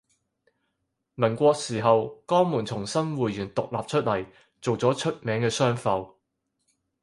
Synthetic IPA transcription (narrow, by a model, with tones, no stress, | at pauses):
mɐ˨˩nkʷɔː˧k̚siː˨˩ɦɐ˨wkɔː˥ŋmuː˨˩nt͡sʰʊ˨˩ŋsɐ˥nwuː˨jyː˨˩nt̪ʊ˨k̚laː˨p̚t͡ʃʰɵ˥t̚lɐ˨˩j | t͡so˨wt͡sɔː˨˥t͡ʃʰɵ˥t̚mɛː˨˥ŋkɛː˧sœː˥ŋfɐ˨˧w